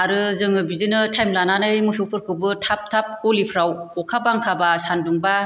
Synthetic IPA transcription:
aɾɯzɯŋɯbizɯnɯtʰajmlananɯjmusupʰɯɾkʰɯbɯtʰap̚tʰap̚kolipʰɯɾawɔkʰabaŋkʰabasanduŋba

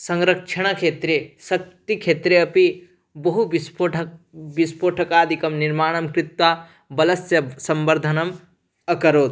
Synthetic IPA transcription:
sɐŋɾɐkt͡ʃʰɐɽ̃ɐkʰet̪ɾesɐk̚t̪ikʰet̪ɾeɐpi | bɐɦubispoʈʰbispoːʈʰɐkaːd̪ʱikɐmniɾmaːɳ̃ɐmkɾit̪wa | bɐlɐsjɐsɐmbɐɾd̪ʱɐnɐm | ɐkɐɾoːt̪

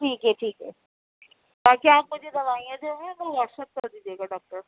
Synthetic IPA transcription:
ʈʰiːkɦɛʈʰiːkɦɛ | baːkiaːp̚mʊd͡ʒʱed̪ɐʋaːijãd͡ʒoɡẽt̪omɔːʃət̪̚kɐd̪iːd͡ʒeːɡaɖɔːk̚ʈəɾ

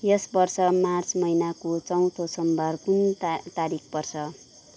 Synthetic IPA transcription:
jʌsbʌrsʌmart͡smʌjnakot͡sʌw̃t̪ʰosʌmbʱʌrkunt̪aɾik̚ʰpʌrt͡sʰʌ

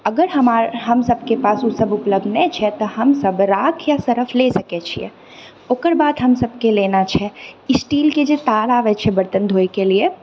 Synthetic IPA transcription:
əɡəɾɦəmaɾɦəmsəb̚ʱkepaːsusəbupləb̚d̪ʱnɛt͡ʃʰɛt̪ɔɦəmsəbɾakʰjasəɾəpʰlesəkɛt͡ʃʰiɛ̰ | oːkəɾbaːd̪ɦəmsəb̚kelenat͡ʃʰɛisʈiːlked͡ʒet̪alaʋɛt͡ʃʰɛbəɾt̪ənd̪ʱoekelie

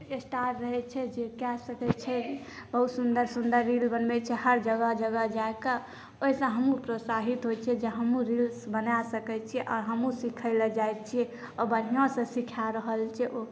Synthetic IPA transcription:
esʈaʈɾəɦɛt͡ʃʰɛd͡ʒekɛsəkɛt͡ʃʰɛ | b̥əɦut̪sund̪əɾsund̪əɾːilbənmɛt͡ʃʰɛɦəɾd͡ʒəɡəd͡ʒəɡəd͡ʒaeka | oɦisə̃ɦəmũpɾosaɦit̪ɦojt͡ʃʰɛd͡ʒeɦəmũɾilsbənasəkɛt͡ʃʰiɛʔɔ̰ɾɦəmũsikʰəɪled͡ʒajt͡ʃʰie | ɔbən̤ijãsə̃sikʰaɾəɦəlt͡ʃʰɛʔo

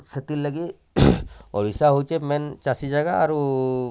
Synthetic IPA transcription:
set̪ilːəɡi | ɔ̰ɽisaɦojt͡ʃʰemɛnt͡ʃasid͡ʒaɡaːɾu

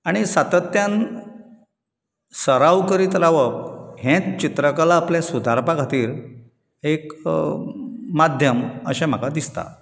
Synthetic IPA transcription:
aɽ̃isat̪ət̪jãn | səɾaʋkəɾiːt̪ɾaʋək̚ɦẽt͡st͡ɕit̪ɾəkalaːpljasud̪ʱaɾpaɡʱat̪iːɾ | ek | ad̪ʱjəmə̰ɕɛm̤akad̪ist̪a̰

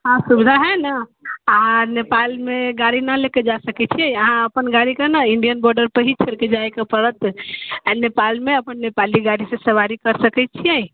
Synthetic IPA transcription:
ɦãsubd̪ʱaɦɛnəanepalmeɡaɾɽinaleked͡ʒasəkɛt͡ʃʰiɛ̃əɦãəpənɡaɾikənaiɳɖijənbɔɾɖəɾpəɦit͡ʃʰəɾked͡ʒajkepəɾət̪ | nepalmeəpənːepaliɡaɾisẽsəʋaɾikəɾsəkɛt͡ʃʰijɛ̃j̃

